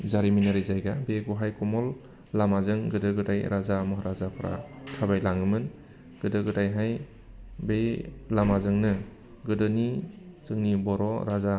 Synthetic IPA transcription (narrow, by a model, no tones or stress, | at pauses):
zaɾiminaɾizajɡabeɡuɦajkɔmɔlː | amazɯŋɡɯdɯɡɯdajɾazamɔɦɾazapʰɯɾʔa̰tʰabajlaŋɯmɯn | ɡ̥ɯdɯɡɯdajɦaj | belamazɯŋnɯ | ɡɯdɯnizɯŋnibɔɾɔɾaza